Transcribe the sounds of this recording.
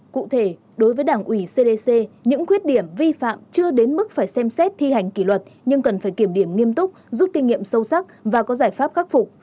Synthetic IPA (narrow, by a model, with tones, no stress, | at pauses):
kṵ˧˨t̪ʰe˧˩ | ɗo˨˦jvəː˨˦jɗaː˧˩ŋʔwi˧˩se˧ɗe˧se˧ɲɨ̰˧˥ŋkwi˦˥ət̚ɗi˧˩əmvi˧fa̰ː˧˨mt͡ɕɨ˧əɗe˨˦nmɨ˦˥k̚faː˧˩jsɛ˧msɛ˦˥t̚t̪ʰi˧ha˨˩jŋ̟kḭ˧˩lwə˨˩t̚ɲɨ˧ŋkə˨˩nfaː˧˩jki˧˩əmɗi˧˩əmŋi˧əmt̪ʊ˦˥k͡p̚zu˦˥t̚kï˧ŋ̟ŋḭ˧˨əmsə˧wsa˦˥k̚vaː˨˩kɔ˨˦zaː˧˩jfaː˦˥p̚xaː˦˥k̚fʊ˨˩k͡p̚